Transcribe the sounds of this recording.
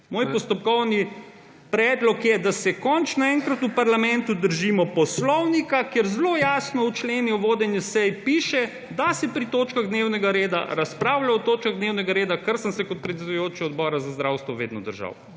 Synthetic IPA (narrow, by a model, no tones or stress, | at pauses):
moːjppɔst̪ɔp̚kɔwni | pɾɛːd̪lɔkjɛd̪asɛkɔnt͡ʃnaɛŋkɾat̪upaɾlamɛ̃nt̪ud̪əɾʒiːmɔpɔslɔwnikakeɾzlojaːsnɔut͡ʃleːniɔʋoːd̪ɛnjusɛjpiːʃɛ | d̪asɛpɾit̪oːt͡ʃkaɣd̪neːwnɛɡaɾeːd̪a̰ɾaspɾaːwlaɔt̪oːt͡ʃkaɣd̪neːwnɛɡaɾeːd̪akəɾsənsɛkɔt̪̚pɾɛt̪sɛd̪ʊjoːt͡ʃɛɔd̪̚bɔːɾazazd̪ɾawst̪ʋɔʋḛːd̪nɔd̪əɾʒa̰w